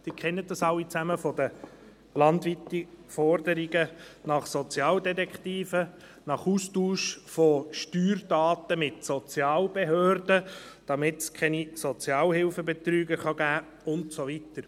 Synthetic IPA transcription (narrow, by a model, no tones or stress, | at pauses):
d̪̥ɪːkχɛnːət̚d̥ɑsɑwːit͡sæməfɔd̥̪ə | lɑntʋitifɔrdəɾiɡənɑχsɔt͡sjɑːldɛtɛkχtiːfə | nɑχuːstuːʃfoʃtyːɾd̥ɑːt̪əmɪtsɔt͡sjɑːlb̥eɦøːɾdə | d̥ɑmɪtskʰɛnisɔt͡sjɑːlhɪlfəbet̪ɾyːɡəχɑɡæː | ʊntsovitəɾ